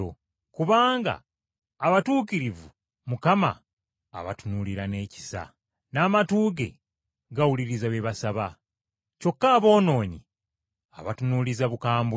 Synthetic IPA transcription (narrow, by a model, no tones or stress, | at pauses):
o̰ | kuβaːŋɡa̰ː | βatuːkiɾivu | mukama̰ː | βa̰tunuliɾane̞ːci̥sa̰ | naːmatuːɡe̞̰ | ɡawuliɾizaβeβasaβa | co̞kːaːβo̞ːno̞ːɲi | a̰βatunulizaβukaːmb